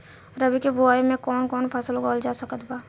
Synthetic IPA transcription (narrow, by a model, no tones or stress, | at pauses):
ɾəbikebʊaːimẽkɔːnkɔːnpʰaːsloɡɔːld͡ʒaːsɐkət̪baː